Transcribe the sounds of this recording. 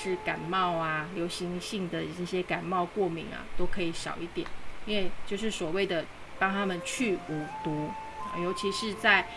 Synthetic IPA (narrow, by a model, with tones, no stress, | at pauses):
ʂɻ̩˥˩ka˨˩nmɑ˥˧ʊa˩ljo˧˥ʊɕi˧˥ŋɕi˥˩ŋd̪ə˩ɤ˥˩ɕjɛ˦ka˨˩nmɑ˥˧ʊkwɔ˥˩mḭ˧˥ŋa̰˨t̪o˥ʊkʰɤ˧˦˥i˧˩ɕjɑ̰˨˩ʊi˥˩t̪jɛ̰˨˩˦ni˥nwe˥˧ɪt͡ɕjo˥˧ʊʂ̬ɻ̩˥˩swɔ˨˩we˥˩ɪd̪ə˩ | pɑ˥ŋt̪ʰa˥mə˨nt͡ɕʰy˥˩u˨˩t̪u˧˥˨ | jo˧˥ʊt͡ɕʰi˧˥ʂɻ̩˥˧t͡sa˥˩ɪ